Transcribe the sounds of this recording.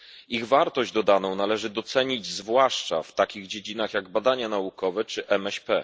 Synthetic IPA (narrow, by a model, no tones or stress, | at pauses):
iɣvaɾt̪ɔʑd͡ʑd̪ɔd̪anɔ̃w̃nalɛʐɘd̪ɔt̪sɛɲid͡ʑzvwaʂt͡ʂa̰ft̪akʲiɣd͡ʑed͡ʑinaxjaɡbad̪aɲanaukɔvɛt͡ʂɘʔɛmɛɕpɛ